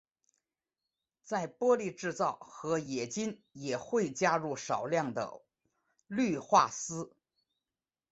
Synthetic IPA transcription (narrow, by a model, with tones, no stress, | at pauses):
t͡sa˥˩ɪpwɔ˥li˥˧ʈ͡ʂɻ̩˥˧t͡sɑ˥˩ʊxɤ˧˥jɛ˨˩t͡ɕi˥njɛ˨˩xwe˥˩ɪt͡ɕja˥ɻu˥˩ʂɑ˨˩ʊljɑ˥˩ŋd̪ə̰˩ | ly˥˧xwa˥˩sɹ̩˥